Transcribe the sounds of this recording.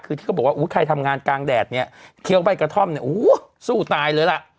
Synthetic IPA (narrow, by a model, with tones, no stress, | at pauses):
kʰɯ˧iː˥˩kːbwa˥˩ʔuː˦˥jkʰa˧jt̪ʰa˧mŋaː˧nkaː˧ŋdɛː˨˩t̪̚ni˦˥˩ɐkʰi˦əwba˧˥˩jkɾa˧t̪ʰɔ˥˩mni˥˩ʔuː˨˦ | suː˥˩t̪aː˧jlɤː˧jla˨˩ʔ